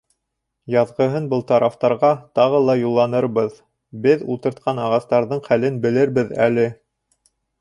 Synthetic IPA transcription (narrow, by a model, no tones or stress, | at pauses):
jɑðʁɤ̆ɦɤnbɤlˠt̪ɑɾɑft̪ɑɾʁɑt̪ɑʁɤlˠɑjulˠːɑnɤɾbɤð | bɘðṵlˠt̪ɤ̆ɾt̪̚qʰɑnɑʁɑst̪ɑɾðɤɴχælɘnbɘ̆lɘɾbɘðæ̰lɘ